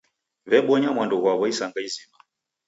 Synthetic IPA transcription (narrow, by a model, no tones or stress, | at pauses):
βɛɓɔɲamwandɔɣwaβɔisaŋɡaizima